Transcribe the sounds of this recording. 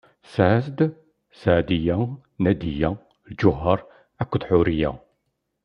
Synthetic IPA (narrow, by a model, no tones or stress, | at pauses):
sʕsd̪ | sʕd̪ijæ | næd̪ijæ | ld͡ʒʊɦːəɾˤ | ækʷːðħʊɾijæ̰